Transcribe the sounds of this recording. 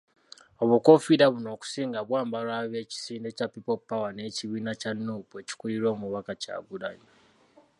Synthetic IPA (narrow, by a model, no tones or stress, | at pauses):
o̞βuko̞fiɾaβuno̞ːku̥siːŋɡaβwaːmbalwaːβe̞ːci̥siːnde̞capːipo̞pːawane̞ːciβiːnacanːuːpue̞ci̥kuliɾo̞ːmuβakaca̰ːɡuɾaɲa